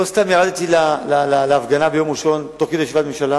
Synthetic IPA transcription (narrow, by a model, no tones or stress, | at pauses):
lost̪amjaʁad̪t̪ilalalaleafɡanabejo̞mʁiʃo̞nt̪oχkid̪ajeʃivatmemʃala